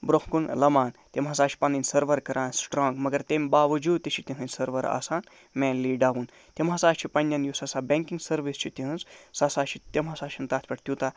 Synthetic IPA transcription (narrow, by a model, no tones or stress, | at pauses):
bɾohkunlɐmaːnt̪ʲemɦɐsaːt͡ʃʰi̥pɐninʲsɐɾʋɐɾkɐɾʔaːnsʈɾɔ̃ːŋɡmɐɡɐɾt̪emʲbaːʋɐd͡ʒuːd̪̚t̪it͡ʃʰit̪ʲĩɦɨnʲsɐɾʋɐɾa̰ːsaːn | mẽːnliːɖaːʋun | t̪ʲemɦɐsaːt͡ʃʰipɐnʲːɐnjusɐsaːbʲeŋkiŋɡsɐɾʋist͡ʃʰit̪ʲĩɦɨnzsasaːt͡ʃʰit̪emɐsaːt͡ʃʰint̪aːt̪ʰʲpɐʈʰt̪ʲut̪aː